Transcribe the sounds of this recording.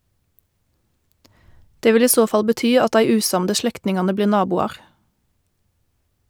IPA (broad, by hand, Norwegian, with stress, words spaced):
ˈdeː ˈʋɪl ˈiː ˈsoː ˈfɑl bəˈtyː ˈɑt ˈdæɪ ˈʉːˌsɑmdə ˈʃlɛktnɪŋɑnə ˈbliːʁ ˈnɑːbuːɑʁ